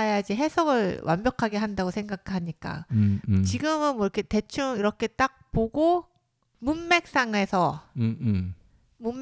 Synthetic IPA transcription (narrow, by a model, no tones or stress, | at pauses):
ajaid͡ʑe̞ɦe̞sʰʌɡɯɭwʔanmbjʌkʰaɡe̞ɦandaɡosʰeŋɡakʰɭɦaɲik͈a̰t͡ɕiɡɯmɯnmwʌiɾʌkʰe̞te̞t͡ɕʰuŋiɾʌkʰe̞t͈ak̚poɡo | munːe̞k̚s͈aŋe̞sʰʌ | mum